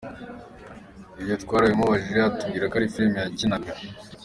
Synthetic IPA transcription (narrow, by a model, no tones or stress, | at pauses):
ibjo̞tkwaːɾajemoβaʒiatubɡiːɾakaɾifilmejacinaɡɡa